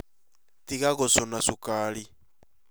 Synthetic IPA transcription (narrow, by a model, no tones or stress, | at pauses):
tikaɣɔsɔnasukali